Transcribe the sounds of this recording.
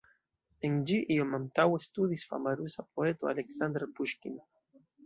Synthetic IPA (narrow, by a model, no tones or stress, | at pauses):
eŋd͡ʒiʔiomãnt̪awest̪uðisfa̰maɾusap̚oet̪oa̰leksand̪ɾepuʃkin